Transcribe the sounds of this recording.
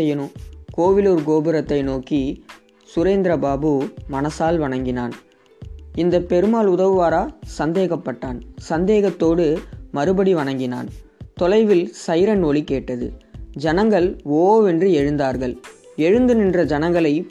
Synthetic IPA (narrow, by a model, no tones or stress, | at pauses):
ɛjɐnokoːʋɪloːɾɡoːbɯɾɐt̪ːɐɪnoːki | sʊɾeːnd̪ɾɐbaːbɯmɐnɐsaːlʋɐɳɐŋɡɪna̰ːn | ɪnd̪ɐpːɛɾɯmaːlʊðɐʋɯʋaːɾaːsɐnd̪eːɣɐpːɐʈːaːnsɐnd̪eːɣɐt̪ːoːɽɯmɐɾɯbɐɽiʋɐɳɐŋɡɪna̰ːnt̪ɔlɐɪʋɪlsɐjɾɐnoːlikeːʈːɐðɯ̰d͡ʒɐnɐŋɡɐɭoːɛndrɯɛɻɯnd̪aːɾɣɐɭɛɻɯnd̪ɯnɪndrɐd͡ʒɐnɐŋɡɐɭɐɪ